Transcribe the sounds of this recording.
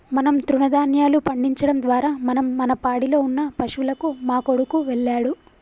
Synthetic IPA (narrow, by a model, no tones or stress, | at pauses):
mɐnɐmt̪ɾuɳɐd̪aːnjaːlupɐɳɖiɲt͡ʃɐɽɐmd̪ʋaːɾaːmɐnɐmːɐnɐpaːɽilo̞ːunːɐpɐʂʋulɐkumaːkoɽukuʋɛɭːaːɽu